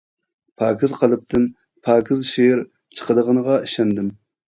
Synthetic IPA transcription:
pʰɑːkʰʲɪzqʰɑlˠɨp̚t̪ʰɨn | pʰɑːkʰʲɪzʃeɾ | t͡ʃʰə̥qəd̪əʁənəʁɑiʃɛnd̪ɪm

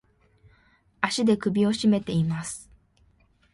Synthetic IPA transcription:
aɕid̪e̞kɯ̟bʲio̞ɕime̞t̪e̞imasɨ̥

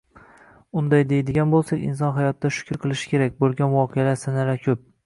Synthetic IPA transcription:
ʊnd̪ajd̪ejd̪ɪɡʲanbolˠsakʲɪ̰ns̬ɒnɦajɒt̪ʰːd̪aʃʊ̥kʲɾqʰɨlˠɪʃɪ̥kʲe̞ɾakʲbolˠɡʲanvɒqʰejalaɾsanaɾakʲʰɵp̚

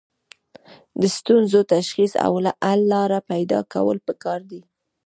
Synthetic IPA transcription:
d̪əst̪unzot̪aʃxisa̰wlaʔalːɑɾapajd̪ɑ̰ka̰wə̰lpəkɑɾd̪i

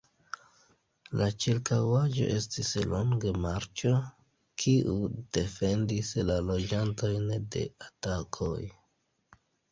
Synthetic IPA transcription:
lat͡ʃiɾkawad͡ʒo̞̰ʔe̞stisloŋɡemaɾt͡ʃo̞ | kʰiʔud̥e̞fe̞ndislalo̞d͡ʒanto̞jnde̞̰atakʰo̞j

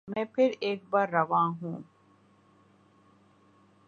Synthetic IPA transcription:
mepiɾʔeːk̚baɾːɐʋaːɦũː

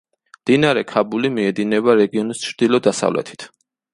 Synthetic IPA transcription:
md̪̥inaɾɛkʰabulimiɛd̪inɛbaɾɛɡiɔnist͡ʃʰɾd̪̥ilˠɔd̪asa̰vlɛ̰t̪ʰi̥t̪ʰ

